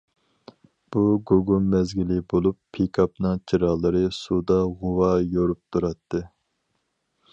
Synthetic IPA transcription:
b̥uɡoɡumːɛzɡʲilɪbolˠupʰːekʰɑpnɨŋt͡ʃʰiɾɑlˠɨɾɨsud̪ɑʁʊwɑjoɾup̚t̪ʰuɾɑt̪ʰːɨ

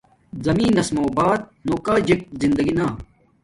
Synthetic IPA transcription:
zɐmĩːnːɐsmoːbaːt̪̚noːkaːd͡ʑek̚zind̪ɐɡinaː

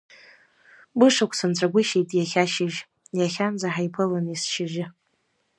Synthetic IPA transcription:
bɨʂakʷʰsɨnt͡sʷʰʼaɡʷʊʃejtʼjaχʲaʃɪʒ | jaχʲanzaħajpʰɨlɨnisʃɪʒɪ

